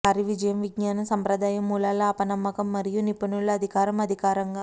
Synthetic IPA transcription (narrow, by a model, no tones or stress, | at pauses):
aːɾiʋid͡ʒɐjɐmʋiɡnaːnɐsɐmpɾɐd̪aːjɐmːuːlaːlɐaːpɐnɐmːɐkɐmːɐɾijunipɐnuɭːɐɐd̪ʱikaːɾɐmɐd̪ʱikaːɾɐŋɡaː